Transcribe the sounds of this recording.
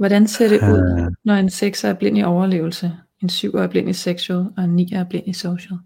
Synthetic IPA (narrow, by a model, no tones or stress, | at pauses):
ʋɒɾænse̝ɐ̰ɾ̥e̝ʔuð̞̰ˠnɒe̝nseɡ̥sæɐb̥le̝n̰iʔɒʊɐle̝̰ːʊl̩sə | e̝nsyʊ̰ɒ̰ɐb̥le̝n̰iseɡ̥solˠɒ̽e̝nːḭːæɐb̥le̝n̰isoʊɕəl̩ˠ